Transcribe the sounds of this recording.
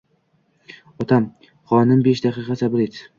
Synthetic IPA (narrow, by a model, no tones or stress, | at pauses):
ɒt̪ʰam | χɒnɪmbeʃd̪aqʰɨqɑsabɪlet̪